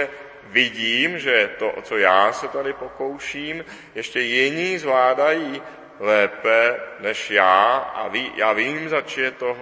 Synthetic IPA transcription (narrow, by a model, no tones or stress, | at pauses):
ɛ | vɪɟiːmʒɛt̪oʔot͡sojaːsɛt̪adɪpoko̞wʃiːm | jɛʃcɛjɪɲiːzvlaːdajiː | lɛːpɛnɛʃjaːʔa̰viːjaːviːmzat͡ʃjɛt̪oɦ